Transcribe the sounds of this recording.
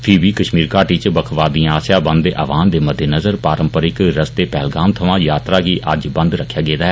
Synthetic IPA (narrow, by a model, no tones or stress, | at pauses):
pʰibiːkəʃmiːɾkaːʈiːt͡ʃbəkʰʋaːd̪ĩãaːsjaːbə̃nd̪eːʔə̰ːʋaːnd̪eːməd̪ʱjenəzəɾpaːɾəmpəɾɪkɾəst̪eːpɛːlɡaːmt̪ʰəʋãːjaːt̪ɾaːɡiːʔəd͡ʒbə̃nd̪ɾəkʰːjaːɡeːd̪aːɦɛː